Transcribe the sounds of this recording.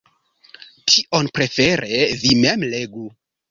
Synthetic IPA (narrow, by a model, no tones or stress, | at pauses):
tʰiʔo̞npɾe̞fe̞ɾʔe̞vimemle̞ɡu